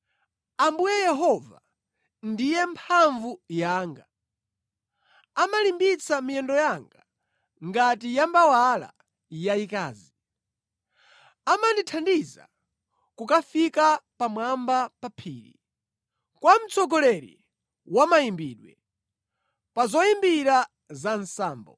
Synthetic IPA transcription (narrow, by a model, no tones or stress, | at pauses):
ambujɛjɛɦɔva | ndijɛmpʰaɱvujaːŋɡa | amalimbit͡samijɛndɔjaŋɡa | ŋɡatijambawala̰ | jaikaːzi | amanditʰandiza̰ | kukafikapamwambapapʰḭːɾḭ | kwam̩t͡sɔɡɔlɛɾḭ | wamajimbiːɗwɛ | pazɔjimbiɾa | zansaːmbɔ